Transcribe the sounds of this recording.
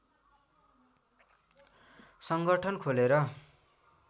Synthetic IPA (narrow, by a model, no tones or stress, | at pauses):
sʌŋɡʌʈʰʌnkʰoleɾʌ